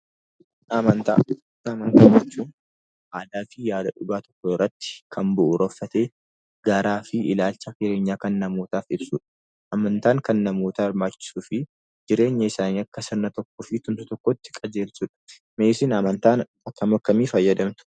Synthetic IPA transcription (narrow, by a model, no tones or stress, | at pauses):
mɐnt̪a | ɐmɐnt̪aːɐt͡ʃːuːn | ʔaːd̪aːfɪjaːd̪ɐᶑʊɡaːt̪ɔ̥kːɔɪrːɐt̪ːɪ̥kʰɐnbʊʔʊɾɔfːɐt̪e̞ː | ɡɐɾaːfɪɪlaːlt͡ʃːɐkɪɾe̞ːɲːaːkɐnːɐmo̞ːt̪aːfɪbsuᶑɐ̥ | ʔɐmɐnt̪aːŋkɐnːɐmo̞ːt̪ɐːɐɾmaːt͡ʃːɪ̥suːfɪ | d͡ʒɪɾe̞ːɲːɐɪsaːniɐkːɐsɐnːɐt̪ɔkːɔfɪt̪ʊmsʊt̪ɔkːɔt̪ːɪ̥kʼɐd͡ʒe̞ːlsuᶑɐ̥ | meːsɪnɐmɐnt̪aːn | ɐkːɐmɐkːɐmiːfɐjːɐd̪ɐmt̪ʊ̥